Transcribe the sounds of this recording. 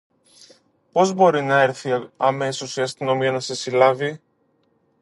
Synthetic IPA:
po̞zbo̞ɾinɐe̞ɾθiɐme̞so̞siɐst̪ino̞miɐnɐse̞silɐvi

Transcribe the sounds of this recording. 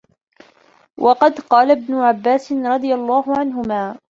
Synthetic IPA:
wʔɑqɑd̪qɑːlabnʊʕabːaːsɪnɾˤɑd̪ˤɨjalˤːaːɦʊʕanɦʊmaː

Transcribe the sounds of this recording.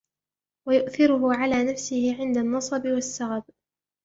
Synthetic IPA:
wajʊʔθɪɾʊɦʊʕalaːnafsɪhɪʕɪnd̪anːɑsˤɑbɪwasːaɣab̚

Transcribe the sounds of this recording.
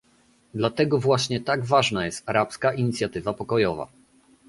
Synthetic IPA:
d̪lat̪ɛɡɔvwaɕɲɛt̪aɡvaʐnajɛst̪aɾapskaʔiɲit̪sʲjat̪ɘvapɔkɔjɔva̰

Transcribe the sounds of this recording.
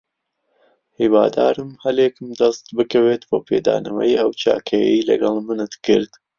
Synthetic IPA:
hiwaːd̪aːɾɨmhɐlekɨmd̪ɐst̪bɨkɐweːt̪boːpʰḛd̪a̰ːnɐwɐjɐwt͡ʃʰa̰ːkʰɐjjlɐ̰ɡɐlˠmɨnɨt̪kɨɾd̪̥

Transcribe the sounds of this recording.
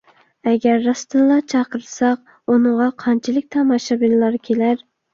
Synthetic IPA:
ɛɡʲæɾːɑst̪ɨllˠɑt͡ʃʰɑqəɾɨsɑq̚ | unɨʁɑqʰɑnt͡ʃʰilˠɪk̚ʲt̪ʰɑmɑʃɑbillˠɑɾkʲʰelæɾ

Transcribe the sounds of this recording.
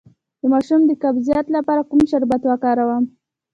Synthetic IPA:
d̪əmɑʃumd̪əkabzijɑt̪lapɑɾakumʃaɾbat̪wakɑɾawəm

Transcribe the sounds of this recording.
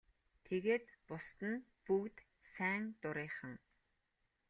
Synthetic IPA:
t̪ʰeɣeːt̪pʊst̪ə̆npukt̪ | sæːnt̪ʊɾiːχə̆ŋ

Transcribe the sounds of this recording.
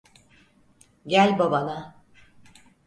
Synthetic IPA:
ɟælʲbabana

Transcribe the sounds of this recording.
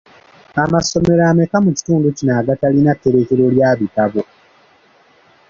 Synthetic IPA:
amaso̞me̞ɾaːme̞kamuci̥tuːnducinaːɡatalinatːe̞ɾe̞ke̞ɾoljaːβitaβo̞

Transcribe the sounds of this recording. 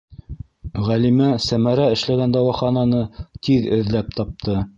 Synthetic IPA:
ʁælimæsæmæɾæɘ̆ʃlæɡænd̪ɑwɑχɑnɑnɤt̪ʰiðɘ̆ðlæp̚t̪ɑp̚t̪ʰɤ

